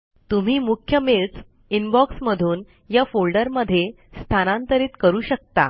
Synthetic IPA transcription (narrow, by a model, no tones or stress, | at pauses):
t̪um̤iːmukʰjəmelt͡s | inbɔksməd̪ʱuːn | jafolɖəɾməd̪ʱːje | st̪ʰanãnt̪əɾiːt̪kəɾuːɕək̚t̪a̰